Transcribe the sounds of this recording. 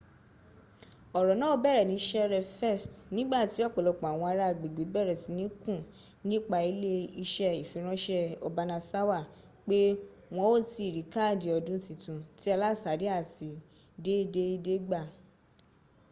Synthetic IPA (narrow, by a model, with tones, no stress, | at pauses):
ɔ˨ɾɔ˨nãː˨˦o˧˦bɛ˦˨ɾɛ˨nĩ˨˦ʃɛ˦ɾɛ˧fɛ˦˨stnĩ˦ɡ͡ba˦˨ti˨˦ɔ˦˨k͡pɔ˨lɔ˨˧k͡pɔ̃˨a˨w̃ɔ̃˧a˧ɾa˦˨ɡ͡be˨ɡ͡be˨˦bɛ˦˨ɾɛ˨si˨˦nĩ˨˦kũ˦˨ | nĩ˦k͡pa˧˨i˨˦le˦i˧ʃɛ˧i˨fĩ˨˧˦ɾ̃ã˦ʃɛ˧ɔ˧ba˧nã˧sa˦wa˦˨ | k͡pe˦ | w̃ɔ̃˧˦o˦ti˧˨ɾi˨˦ka˦˨di˨ɔ˧dũ˦tĩ˧tũ˨˧ti˦a˧la˦˨sa˨˦di˨˦a˦˨ti˧ | de˦de˦de˦ɡ͡ba˦˨